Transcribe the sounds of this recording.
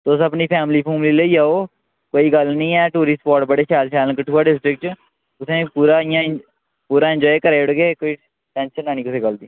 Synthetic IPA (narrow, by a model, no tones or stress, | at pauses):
t̪osəpniːpʰɛːmliːpʰuːmliːleiːaːoː | koːiːɡəlnĩːɛːʈuːɾiːspɔːʈbəɽeːʃɛːlʃɛːlkəʈʰːuːaːɖɪsʈɾɪk̚t͡ʃ | ʊsẽːpuːɾaːijãː | puːɾaːɪ̃nd͡ʒɔːjkəɾeːʊɽɡeːkoːiː | ʈɛ̃ːnʃənːãːniːkʊsẽːɡəld̪iː